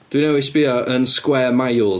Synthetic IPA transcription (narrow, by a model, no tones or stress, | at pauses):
d̥winɛwɪsb̥iɔʔənskwɛːmajlˠ